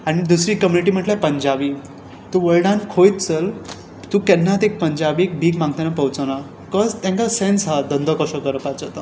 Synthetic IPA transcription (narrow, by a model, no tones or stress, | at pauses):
aɽ̃id̪usɾiːkəmjuniʈ̬iːm̤əʈlapəɲd͡ʑabi | t̪uʋəɭɖãnkʰojt̪t͡səl | t̪ũkɛnːat̪ek̚pəɲd͡ʑabiek̚bʱiːkmãŋɡ̚t̪anapəwt͡səna | kɔzt̪ɛ̃ŋkasensɦad̪ənd̪ʱɔkɔsɔkəɾəpad͡zat̪ə